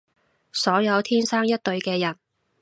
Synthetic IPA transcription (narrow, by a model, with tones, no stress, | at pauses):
sɔː˨˥jɐ˨˧wt̪ʰiː˥nsaː˥ŋjɐ˥t̚t̪ɵ˧ɥkɛː˧jɐ˨˩n